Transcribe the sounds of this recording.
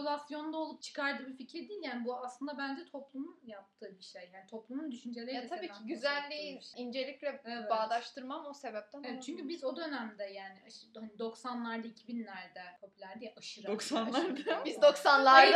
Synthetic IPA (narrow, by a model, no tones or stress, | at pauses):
olʲˠasjo̞nd̪ao̞lˠup̚t͡ʃʰɯ̥kʰaɾd̪ɯːbificɾɛd̪ijːlʲjaːnibuaslˠɯnd̪abænd͡ʒɛt̪ʰo̞plˠumunjap̚t̪ʰɯːbiʃejjaːnit̪ʰo̞plˠumund̪yʃynd͡ʒelʲejat̪ʰabiːcʰiɟyzælʲːejiʃind͡ʒe̞lʲiclʲɛeɛbaːlˠaʃt̪ʰɯɾmamose̞bɛp̚t̪ʰænvɛtt͡ʃʰyɲcybizo̞d̪ø̞næmd̪ɛjaːnihanid̪o̞ksanlˠaɾd̪aicʰibinlʲæɾd̪ɛpʰo̞pʰylʲæɾd̪ijʔaʃɯɾaoksanˠaɾd̪abizd̪oksanlˠaɾ